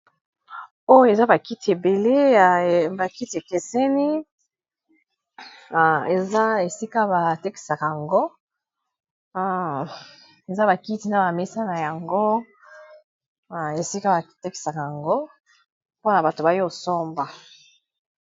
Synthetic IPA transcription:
o˦jo˦e˨za˦ba˨ki˦ti˨e˨be˨le˦˨ba˨ki˦ti˨e˨ke˨sɛ˦ni˦˨ | e˨za˦e˨si˦ka˦ba˨te˦ki̥˨sa˨ka˨a˨ŋɡo˦ | e˨za˦ba˨ki˦ti˨na˨ba˨me˦sa˦na˨ja˨ŋɡo˦˨ | e˨si˦ka˦ba˨˦te˦ki̥˨sa˨ka˨ja˨ŋɡo˦ | po˦na˨ba˨to˨ba˨jo˨so˦mba˨

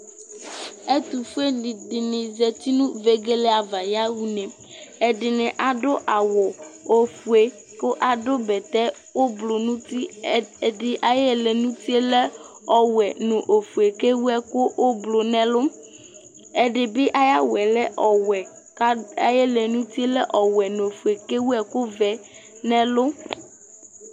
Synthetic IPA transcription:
e˦t̪u˨fu˦e˦ni˨dɪ˨nɪ̃˨zɛ˨t̪i˦nũ˦ve˦ɡe˦lɛ˦a˨va˨ja˦wu˦nẽ˨ | ɛ˨ɖɪ˨nẽ˨ʔa˨ɖo˦ʔa˨wɔ˨o˨fu˨e˨ | ko˦ʔa˨ɖo˦bɛ˨t̪ɛ˦ | wo˦blo˨nũ˦t̪i˦˨ɖɪ˨ʔa˨jɛ˦le˨nũ˦t̪i˦e˦le˦ | ɔ˨wɛ˨nõ˨ʔo˨fu˨e˨ke˦wu˦ɛ˨ko˦wʔo˦blo˨nɛ̃˦lo˦ | e˦ɖe˨be˦ʔa˦ja˦wɛ˨lɛ˦ʔɔ˨wɛ˨˦ | a˨je˦le˨nũ˦t̪i˦e˦lɛ˦ʔɔ˨wɛ˨nõ˨fu˨e˨ke˦wu˦ɛ˨ko˦vɛ˨nɛ̃˦lo˦

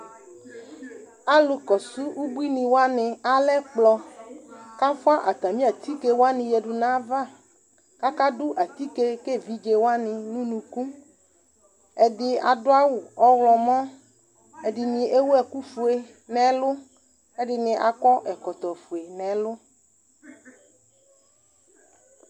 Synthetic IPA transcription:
a˨lʊ˨˦kɔ˨su˦u˦bu˦i˦nĩ˨wo˦a˦nɪ̃˧a˦lɛ˦k͡plɔ˧ | ka˦fʊ˦a˦ʔa˨t̪a˨mĩ˦a˨t̪i˦ke˦wo˦a˦nɪ̃˨jɛ˨ɖʊ˨nã˦va˦˨ | ka˦ka˦dʊ˦ʔa˨t̪i˦ke˦ke˦˨vi˦d͡ʒe˦wo˦a˦nɪ̃˨nũ˦nũ˨kũ˦ | ɛ˨dɪ˦a̰˨dʊ˦a˦wʊ˨ɔ˦wlɔ˨mɔ̃˦ | ɛ˨ɖɪ˨nĩ˨e˦wo˦ɛ˨ku˦fu˨e˨ | nɛ̃˨˦lʊ˦ | ɛ˦ɖɪ˨nɪ̃˨ʔa̰˨kɔ˦ʔɛ˨kɔ˨t̪ɔ˨fu˨e˨nɛ̃˨˦lʊ˦

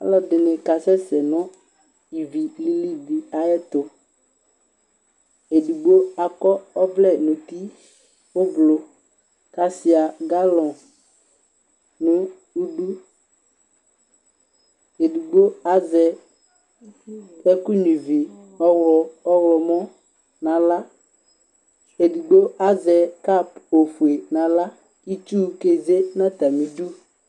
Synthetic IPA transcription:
a̰˦lɔ˨dɪ˨nɛ̃˨ka˨sɛ˦sɛ˨nɔ̃˦ | i˨vi˨li˦li˦di˨a˨jɛ˦t̪o˨ | e˨du˨ɡ͡bo˦a˨kɔ˦ɔ˦blɛ˦˨nũ˨t̪i˦ | wo˦blo˨ | ka˨si˨a˨ɡa˦lɔ̃˨ | nũ˦ | u˦ɖu˦ | e˨du˨ɡ͡bo˦a˦zɛ˨ | ɛ˦ku˦ɲĩ˨vi˨˦˨ | ɔ˦wlɔ˨mɔ̃˦ | nã˨la˦ | e˨du˨ɡ͡bo˦a˦zɛ˨ka˦˨po˨fu˨e˨nã˨la˦ | i˦t͡ʃu˦˨ke˨ze˦nã˦t̪a˨mĩ˨du˦

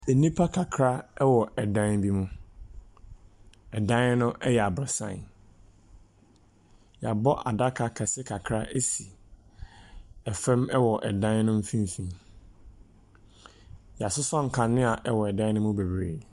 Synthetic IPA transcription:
ɛ˨nĩ˦pʰa˦kʰa˨kʰɾa˦ɛ˦wɔ˨ʔɛ˨dã˦nbi˦mũ˦ | ɛ˨dã˦n˦nʊ̃˦ʔɛ˦jɛ˨a˨bɾa˨sã̰˦˨˦ | ja˨bɔ˦ʔa˨da˦kʰa˨kʰɛ˨sɪ˦kʰa˨kʰɾa˦ʔe˦si˨ | ɛ˨fɛ̃˦mɛ˦wɔ˨ʔɛ˨dã˦n˦nʊ̃˦m̩˦fĩ˦n˨sĩ˨m | jɛ˨a˨sʊ˦sɔ̃˦ŋ̩˨kʰã˨nɪ̃˦a˨ʔɛ˦wɔ˨ɛ˨dã˦nʊ̃˦mũ˦be˨bɾeː˨

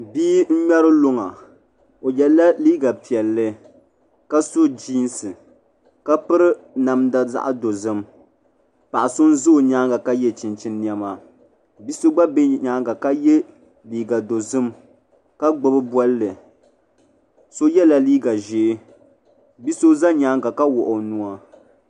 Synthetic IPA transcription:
biː˦n̩˦ɲɛ˦ɾɨ˦lo˦ŋa˨ | o˨jɛ˨la˦liː˦ɡa˨pi˨ɛ˨lːɨ˦ | ka˦so˦d͡ʒiː˦nsɨ˨ | ka˦pɨ˦ɾɨ˦ | na˨mda˨za̰˦ʔa˦do˨zɨ˦m | pa˨ʔa˨sʊ˦n˦zo˦˨ɲa˦ŋɡa˨ka˦jɛ˦t͡ʃi˨nt͡ʃi˦nːi˦ɛ˦ma˨ | bi˦so˦ɡ͡ba˦be˦ɲaː˦ŋɡa˨ka˦jɛ˦ | liː˨ɡa˨do˨zɨ˦m | ka˦ɡ͡bʊ˨bɨ˦bwɔ˦lːɨ˨ | so˦jɛ˦la˦˨liː˦ɡa˨ʒeː˨˦ | bi˦so˦za˦ɲaː˦ŋɡa˨ka˦wɔ˨ʔʊ˨nu˦a˦

